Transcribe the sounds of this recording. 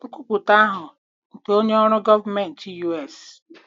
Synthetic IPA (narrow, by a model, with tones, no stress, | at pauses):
ŋ̩˦kʷu˦k͡pʷʊ˨ta˦a˦ɦʊ˨ | n̩˨ke˦o˦ɲe˦ɔ˦ɾʊ˦ɡɔ˦va˦me˨n̩˨ti˦ju˦e˨s